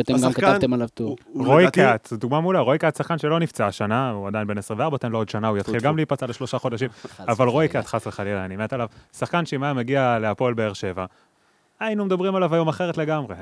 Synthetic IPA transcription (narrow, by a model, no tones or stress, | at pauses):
at̪emɡaamkant̪emalavt̪uʁojkatd̪uɡmamulaʁo̞jkat̪saχkanʃelo̞nift͡saːʃanauad̪ajinbe̞nesʁĩmveaʁbat̪enlood̪ʃanaujat̪χilɡamleipat͡saleʃlo̞ʃaχo̞d̪aʃimavalʁo̞jkat̪χasleχalilaanimet̪alavsaχkanʃeimajameɡiale̞apo̞lbe̞eʁʃe̞va | ainumed̪abʁimalavajo̞maχe̞ʁetle̞ɡamʁe̞